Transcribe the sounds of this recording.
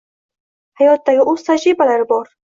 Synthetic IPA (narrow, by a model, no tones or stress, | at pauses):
hajɒt̪̚d̪aɡʲɪʔʊzt̪ʰad͡ʒɾibalaɾɪbɒɾ